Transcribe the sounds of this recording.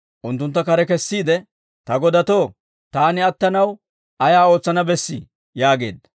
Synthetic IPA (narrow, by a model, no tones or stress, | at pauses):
ʔʊnt̪ːʊnt̪ːɐkɐɾɛkɛsːiːd̪ɛ | t̪ɐɡɔd̪ɐt̪o̞ː | t̪aːnɪɐt̪ːɐnɐw | ʔɐjaːo̞ːt͡sːɐnɐbɛsːɪ̰ | jaːɡe̞̰ːd̪ɐ